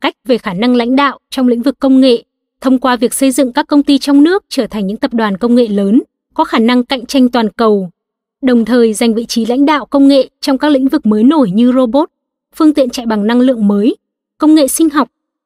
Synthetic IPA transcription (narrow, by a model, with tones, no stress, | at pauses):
ka˦˥jk̟̚ve˨˩xaː˧˩na˧ŋla̰˧˥jŋ̟ɗa̰ː˧˨wt͡ɕɔ˧wŋ͡mlḭ̈˧˥ŋ̟vɨ˨˩kːə˧wŋ͡mŋḛ˧˨ | t̪ʰə˧wŋ͡mkwaː˧vi˨˩ək̚sə˧jzɨ̰˧˨ŋkaː˦˥kːə˧wŋ͡mt̪i˧t͡ɕɔ˧wŋ͡mnɨ˦˥ək̚t͡ɕəː˧˩t̪ʰa˨˩ŋ̟ɲɨ̰˧˥ŋt̪ə˨˩p̚ɗwaː˨˩nkə˧wŋ͡mŋḛ˧˨ləː˨˦n | kɔ˨˦xaː˧˩na˧ŋka̰˧˨jŋ̟t͡ɕa˧jŋ̟t̪waː˨˩nkə˨˩w | ɗə˨˩wŋ͡mt̪ʰəː˨˩jza˨˩jŋ̟vḭ˧˨t͡ɕi˨˦la̰˧˥jŋ̟ɗa̰ː˧˨wkə˧wŋ͡mŋḛ˧˨t͡ɕɔ˧wŋ͡mkaː˦˥k̚lḭ˧˥ŋ̟vɨ˨˩k̚məː˨˦jno˧˩jɲɨ˧zo˧ɓo˦˥t̚ | fɨ˧əŋt̪ḭ˧˨ənt͡ɕa̰˧˨jɓa˨˩ŋna˧ŋlɨ̰˧˨əŋməː˨˦j | kə˧wŋ͡mŋḛ˧˨sï˧ŋ̟ɦɔ˨˩wk͡p̚